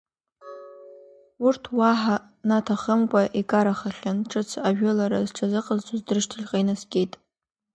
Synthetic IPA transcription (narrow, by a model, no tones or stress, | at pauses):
urtʰwaħa | natʰaχəmkʷʼaʔikʼaɾaχaχʲanʈ͡ʂʰɨt͡sʰaʒᶣʊlaɾa̰zʈ͡ʂʰazɨqʼazt͡sʷʰʼazdɨrʃtʰɨɮʲqʼajnasɡʲʼejtʼ